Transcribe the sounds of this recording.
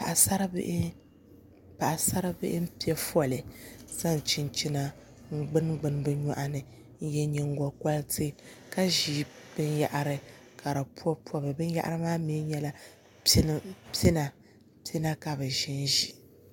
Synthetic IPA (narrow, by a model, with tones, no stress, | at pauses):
pa˨ʔa˨sa˦ɾbʔ | pa˨ʔa˨sa˦ɾa˦bɪ̰˦ʔɪ˦m̩˦pi˦ɛ˦fɔ˦˨lɨ˨za˦˨n˨t͡ʃi˦nt͡ʃi˦na˨ | ŋ̩˦ɡ͡bɨ˦nɡ͡bɨ˨n˦bɨ˦ɲɔ˦ʔa˦nɨ˨ | n̩˦jɛ˦ɲɛ˦ŋ̩˦ɡɔ˨kɔ˦ltʰɨ˦ka˦ʒiː˨˦b̥ɨ˦nja˦ʔa˨ɾɨ˦ | ka˨ɾa˨pu˦ɔ˦pu˦ɔ˦bɨ˨bɨ˦n˦ja˦ʔa̰˦ɾɨ˦maː˦mi˦ɲɛ˦la˦˨ | pi˦na˨ | pi˦na˦ka˨bɨ˨ʒɪ˦n˦ʒi˨